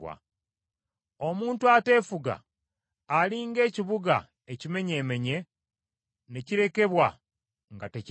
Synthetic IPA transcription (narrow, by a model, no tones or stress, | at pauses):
wa̰ | o̞muːntuate̞ːfuɡa̰ː | liŋɡe̞ːciβuɡa̰ | ecime̞ɲe̞ːme̞ɲe̞ | ne̞ciɾe̞ke̞βwa | ŋɡatec